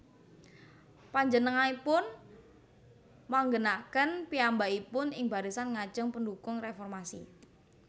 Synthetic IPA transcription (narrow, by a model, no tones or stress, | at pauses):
paɲd͡ʒənəŋanipʊn | maŋɡənakənpiambaipʊnɪŋba̤ɾisanŋḁʒ̥əŋpəndukʊŋrefɔrmasḭ